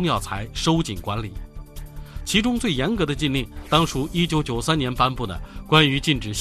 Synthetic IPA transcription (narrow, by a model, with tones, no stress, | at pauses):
ŋjɑ˥˩ʊt͡sʰa˧˥ɪʂo˥ʊt͡ɕi˨˩nkwa˧˥nli˨˩˦ | t͡ɕʰi˧˥ʈ͡ʂʊ˥ŋt͡swe˥˩ɪjɛ˧˥nkɤ˧˥d̪ə˧t͡ɕi˥˧nli˥˩ŋt̪ɑ˥ŋʈ͡ʂʰu˥i˥t͡ɕjo˧˥ʊt͡ɕjo˨˩ʊsa˥njɛ˧˥npa˥npu˥˩d̪ə̰˩kwa˥ny˧˥t͡ɕi˥˩nʈ͡ʂɻ̩˨˩ɕ